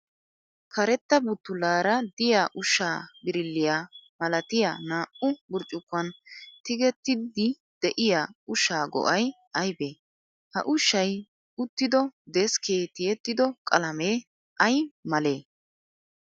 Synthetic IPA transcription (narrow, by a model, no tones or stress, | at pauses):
kʰɐɾɛt̪ːɐbʊt̪ːʊlaːɾɐd̪ɪjaːʔʊʃːaːbɪɾɪlːɪjaːmɐlɐt̪ɪjaːnaːʔʊbʊɾt͡ʃʼːʊkːɐnt̪ɪɡɛt̪ːɪd̪ɪ | d̪̥ɛʔɪjaːʊʃaːɡɔ̰ʔɐj | ɐjbeː | hɐ̰ʔʊʃːɐj | ʊt̪ːɪd̪ɔd̪ɛskʰeːt̪ɪjɛt̪ːɪd̪ɔkʼɐlɐmeː | ʔɐjmɐle̞ː